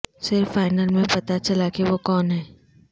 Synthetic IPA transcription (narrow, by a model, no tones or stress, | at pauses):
sɪɾfːaːɪnəlmẽpɐt̪at͡ʃɐlakeʋokɔːnɦɛː